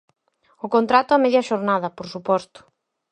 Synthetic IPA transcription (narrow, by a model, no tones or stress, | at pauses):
ʊkont̪ɾat̪ʊamɛðjɐʃoɾnaðɐpoɾsupɔst̪ʊ̥